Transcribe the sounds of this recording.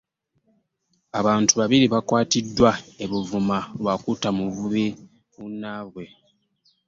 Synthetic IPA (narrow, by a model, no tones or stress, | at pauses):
aβaːntuβaβiɾiβakwaːtidːwae̞βuvumalwakutamuvuβi | munːaβwe̞